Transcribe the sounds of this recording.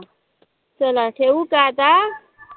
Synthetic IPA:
t͡səlaʈʰewukad̪a

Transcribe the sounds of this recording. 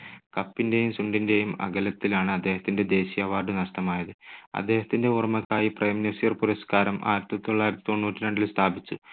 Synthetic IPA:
kɐpːinde̞jumsuɳɖinde̞jumɐ̰ɡɐlɐt̪ːilaːɳɨɐd̪ːe̞ːɦɐt̪ːinde̞d̪e̞ːɕijɐʋaːɖɨnɐʂʈɐmaːjɐðɨɐ̰d̪ːe̞ːɦɐt̪ːinde̞urɐmɐkːaːjiprɐjmnjɐsijɐrpuɾɐskaːɾɐmʔa̰ːjiɾɐt̪ːit̪o̞ɭːaːjiɾɐt̪ːi̥t̪o̞ɳːuːtːinɐɳɖilst̪ʰaːbit͡ɕːu

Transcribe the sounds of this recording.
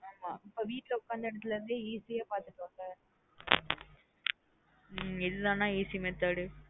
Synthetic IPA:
aːmaːɪpːoːʋiːʈːlɐʊkːaːnd̪ɐɛɽɐt̪ːɯlɐɪɾɯnd̪ɯiːsɪjaːpaːɾt̪ɯʈːõːsaːɾ | ɪðɯt̪ãːnãːiːsɪɐmeːt̪ːaːɽɯ

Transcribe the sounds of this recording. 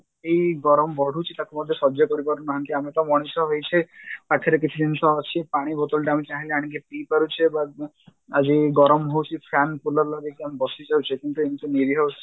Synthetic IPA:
ejɡɔɾɔmbɔɽʱut͡ʃʰit̪akeɾmɔd̪ʱːeʃɔd͡ʒɔkoɾipɔɾɔnɔɦant̪iamat̪ɔmɔɽ̃isɔɦojt͡ʃʰepakʰːeɾekit͡ʃʰud̪intɔat͡ʃʰipaɽ̃ibɔt̪ɔlʈeamit͡ʃaɦiliaɽ̃ik̬epipaɾut͡ʃʰeba | ad͡ʒiɡɔɾɔmɦowt͡ʃʰipʰanpulɔɾlɔɡekeamibɔsit͡ʃawt͡ʃʰekint̪uent̪uniɾiɦow

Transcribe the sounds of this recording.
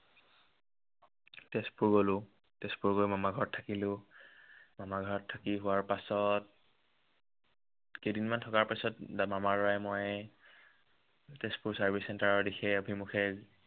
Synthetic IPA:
tespuɹɡolʊ | tespuɹɡojmamaɡʱɔɹɔtʰːakilʊ̃ | mamaɡʱɔɹɔtʰːakiɦʊaɹpasɔt̚ | kedinmantʰɔkaɹpasɔtamamaɹɹajmɔj | tespuɹsaɹbʱisɛntaɹɔɹdixʰɛobʱimuxʰɛ

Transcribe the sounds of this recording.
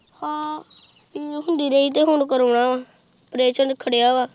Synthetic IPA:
haː | piɦʊnd̪iːɾeːiːt̪̬eːɦʊɳkəɾoːɳaːʋaː | pɾeːt͡ʃənkʰəɽeːaːʋaː

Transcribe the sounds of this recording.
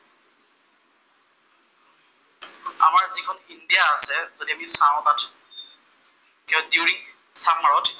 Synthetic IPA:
a̰maɹzikʰɔnindijaːsɛzodiamisaw̃natʰ | kiɔ̃diwɹi | sak̚maɹɔtʰ

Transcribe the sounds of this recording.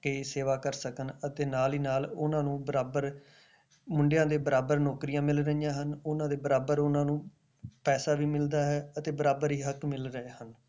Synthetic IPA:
keseːʋaːkəɾsəkənət̪eːnaːliːnaːlʊnãːnũːbəɾaːbəɾ | mʊɳɖɪjãːd̪eːbəɾaːbəɾnɔːkɾijãːmɪlɾəijãːɦənʊnãːd̪eːbəɾaːbəɾʊnãːnũː | pɛːsaːʋiːmɪld̪aːɦɛːət̪eːbəɾaːbəɾɦiːɦəkmɪlɾəeːhən

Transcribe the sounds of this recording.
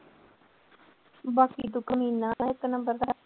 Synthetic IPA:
baːkiːd̪ʊkəmiːnaːɪknəmbəɾd̪aː

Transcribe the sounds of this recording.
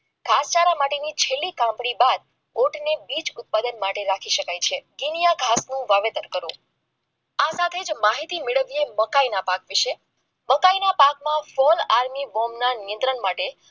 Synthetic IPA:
ɡ̥ʱast͡ʃaɾamaʈenit͡ʃʰelːikãmpɳibad̪̚ | oʈʰnebid͡ʒʊt̪̚pad̪ənmaʈeɾakʰiʃəkajt͡ʃʰeɡinijaɡʱasnũʋaʋet̪əɾkəɾũ | asat̪ʰed͡ʒmaɦit̪imeɭəʋieməkainapakʋɪʃe | məkainapakmãfɔlaɾmiʋɔmnanijənt̪ɾənmaʈe

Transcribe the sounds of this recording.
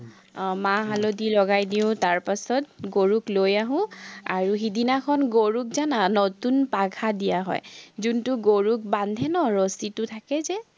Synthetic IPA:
maɦalodilɔɡajdiʊ̃taɹpasɔt̚ɡoɹuklojaɦʊ̃a̰ɹuɦidinakʰɔnɡoɹukzananotunpaɡʱadijaɦɔ̰jzuntʊɡoɹuk̚bandʱɛnɔɹositʊtʰakɛzɛ

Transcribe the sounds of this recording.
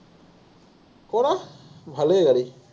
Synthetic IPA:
koːɾabʱəleːɡəɾiː

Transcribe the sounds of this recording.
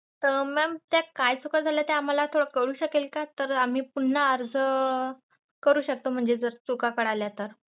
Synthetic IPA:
t̪əmamt̪jakajt͡sukad͡zʱaljat̪aam̤alat̪ʰoɽakəɽuːɕəkelkat̪əɾam̤iːpuɳːaəɾd͡zʱə | kəɾuːɕək̚t̪om̤əɳd͡zed͡zəɾt͡sukakəɽaljat̪əɾ

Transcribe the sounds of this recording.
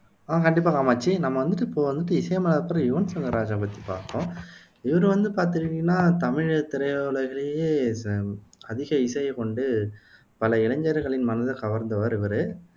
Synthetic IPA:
aːkɐɳɖɪp̬ːaːkamaːt͡ʃːinɐmːɐʋɐnd̪ɯʈːɯpːoːʋɐnd̪ɯʈːɯɪsɐjɐmɐlɐðɐpːɐɾɐɪʋɐnsɐŋɡɐɾaːd͡ʒãpɐt̪ːipa̰ːɾkõː | ɪʋɐɾɯʋɐnd̪ɯpaːɾt̪ɪɾɪɪŋɡɐnːaːt̪ɐmɪɻt̪ːɪɾɐɯɭɐɣɪɭejeː | ɐðɪɣɐɪsɐjɐkɔɳɖɯ | pɐlɐɪɭɐɲd͡ʒɐɾɯɣɐɭɪnmɐnɐðɯkɐʋɐɾnd̪ɐʋɐɾɪʋɐɾɯ

